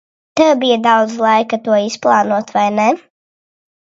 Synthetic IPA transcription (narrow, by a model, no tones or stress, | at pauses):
t̪ɛwbijad̪awd̪zlˠɑjkat̪uɔisplˠɑːnuɔt̪vajnɛ